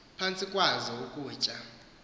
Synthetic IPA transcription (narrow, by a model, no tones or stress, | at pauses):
pʰant͡sʼikʼwazɔukʼuːt͡ʃʼa